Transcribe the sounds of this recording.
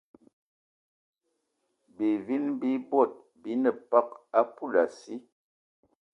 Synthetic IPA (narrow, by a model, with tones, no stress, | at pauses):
bi˨vi˦nbi˦bɔ˦˨t̚ | bi˦nə˨pa˦k̚a˦pu˦˨la˨si˦